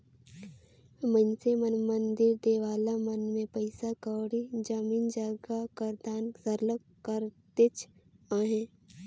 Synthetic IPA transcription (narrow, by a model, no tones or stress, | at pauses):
mənsemənmənd̪ɪɾd̪eːʋaːlamənmẽpəɪsakəːɽid͡ʒəmiːnd͡ʒaːɡakəɾd̪aːnsəɾləkkəɾt̪et͡ʃaːɦẽː